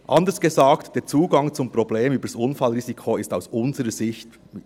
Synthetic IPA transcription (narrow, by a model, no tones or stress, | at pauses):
ʔɑndəsɡ̥ezaːktd̥eːt͡suːɡɑŋt͡sʊmpʁobleːmyːbəsʔʊnfɑlɾiːzikʰoɪstaʊsʔʊnzəɾəz̥ɪçt